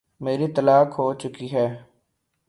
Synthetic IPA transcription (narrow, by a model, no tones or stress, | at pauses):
meːɾit̪əlaːkɦoːt͡ʃʊkiɦɛː